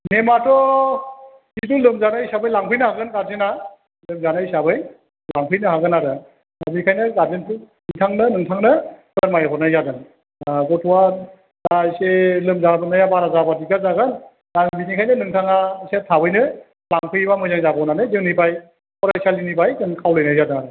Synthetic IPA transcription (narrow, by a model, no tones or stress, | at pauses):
nematɔ | kitulɯmzanajsabɯjlaŋpʰɯjnɯɦaɡɯnɡaɾzena | lɯmzanajsabɯj | laŋpʰɯjnɯɦaɡɯnaɾɯ | a̰bikʰajnɯɡaɾzenpʰuniŋtʰaŋnɯnɯŋtʰaŋnɯkaɾmajapɔɾnajzaɡɯn | ɡɔtʰɔwa | aselɯmzabɯnajabaɾazabatiɡazaɡɯn | aŋbinikʰajnɯnɯŋtʰaŋasetʰabɯjnɯ | laŋpʰɯjbamɯjzaŋzabɔnanɯzewnibaj | pɔɾasalinibajkɯŋkʰawlɯjnajzadɯnaɾɯ